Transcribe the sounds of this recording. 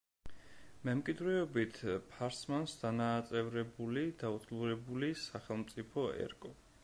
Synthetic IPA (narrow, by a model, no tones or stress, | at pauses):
mɛmkʼid̪ɾɛɔbit̪ʰpʰaɾsmansd̪anaːt̪sʼɛvɾɛbulid̪̥aut̪ʼɡluɾɛbulisaχɛlˠmt̪sʼipʰɔɛ̰ɾkʼɔ